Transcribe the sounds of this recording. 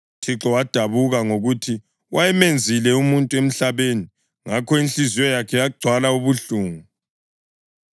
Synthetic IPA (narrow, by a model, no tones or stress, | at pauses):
tʰiǁɔwad̥ʱaβuɣaŋoɣutʰi | wʔajɛmend͡zʱilɛumuntʼuem̩ɬaβeni | ŋakʰɔinɬʼiziwɔjakʰɛjaɡ͡ǀʱwalauβuɬuːŋu